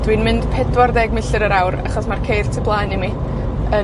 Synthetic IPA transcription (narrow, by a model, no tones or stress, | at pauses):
d̥winmɪnd̥pʰɛdwardɛɡmɪɬɨɾəɾawɾa̰χɔsmarkʰejr̥tʰəblˠaːnimi | ə